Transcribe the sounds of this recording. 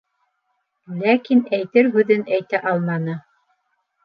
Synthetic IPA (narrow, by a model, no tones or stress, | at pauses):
lækinæjt̪ɘɾɦʉðɘnæjt̪æʔɑlˠmɑnɤ